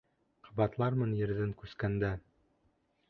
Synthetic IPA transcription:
qʰɑ̥bɑt̪lˠɑɾmɤnjɘ̆ɾðɘŋkʉskænd̪æ

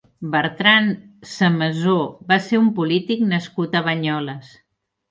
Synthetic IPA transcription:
bəɾt̪ɾansəməzoβaseumpulit̪iknəskut̪əβəɲɔləs

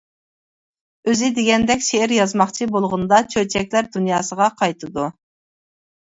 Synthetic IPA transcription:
øzɪd̪eɡʲɛnd̪ɛkʲʃeɪɾjɑzmɑχt͡ʃʰibolˠʁʊnd̪ɑt͡ʃʰøɾt͡ʃʰɛkʲlæɾd̪unjɑːsəʁɑqʰɑjt̪ʰɨd̪u

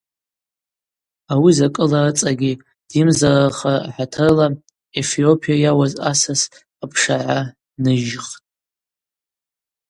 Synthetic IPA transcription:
awizakʼɨlaɨt͡sʼaɡʲi | d̥imzaraχaħatʰɨrla | e̞fio̞pʰijajawazasas | apʰʂaʕa | nɨʒχtʼ

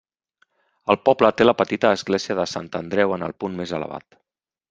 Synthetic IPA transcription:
əlˠpɔblət̪eləpət̪it̪əːzɣleziəðəsant̪ənd̪ɾɛwənə̰lˠpunmezələ̰βa̰t̪

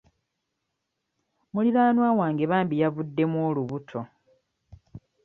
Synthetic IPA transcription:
muliɾaːnwaːwaːŋɡe̞βaːmbijavudːe̞mwoːluβutʰo̞

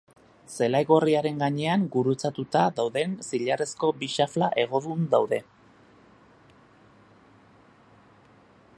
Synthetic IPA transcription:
se̞lajɣo̞riaɾe̞ŋɡaɲe̞aŋɡuɾut͡sat̪ut̪aðawðe̞nsiʎare̞sko̞biʃaflaʔe̞ɣ̞o̞ðund̪awðe̞

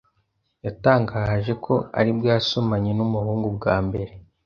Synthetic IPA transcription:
jataːŋɡaʒe̞kʰo̞a̰ɾibɡaːsomaɲenumuhuːŋɡubɡaːmbe̞ɾe̞

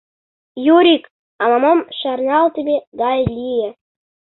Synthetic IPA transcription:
joɾʲik | ɑmɑmomʃɑrnɑlˠt̪ʲĕbʲed̪ɑjlʲijĕ

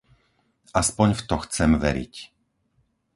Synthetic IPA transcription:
ʔaspɔɲft̪ɔxt͡sɛmʋɛ̰ɾḭc

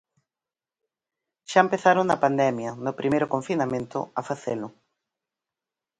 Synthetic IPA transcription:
ʃaempeθaɾoŋnːɐpand̪ɛmjɐnʊpɾʔimejɾʊkoɱfinamẽnt̪ʊ̰afaθelʊ

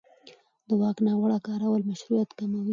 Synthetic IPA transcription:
d̪əwɑknɑwaɽakɑɾawəlmaʃɾujat̪kamawi

